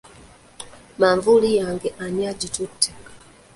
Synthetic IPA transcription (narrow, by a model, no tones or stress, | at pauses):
maɱvulijaŋɡɛʔaɲad͡ʒitutɛkḁ